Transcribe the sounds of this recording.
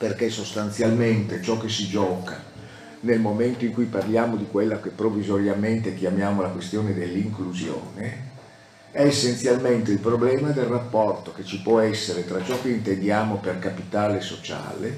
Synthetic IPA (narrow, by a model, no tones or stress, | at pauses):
perkesost̪ant̪sjalment̪et͡ʃɔkːesid͡ʒɔːka | nelmoment̪oiŋkujparljaːmod̪ikwelːakepːɾovːizoɾjalment̪ek̟jamjaːmolakwest̪joːned̪elːiŋkluzjo̰ːne | ɛesːent̪sjalment̪eilpɾoblɛːmad̪elrapːɔrt̪oket͡ʃipwɔɛsːeɾet̪ɾat͡ʃɔkːeint̪end̪jaːmoperkapit̪aːlesot͡ʃa̰ːlḛ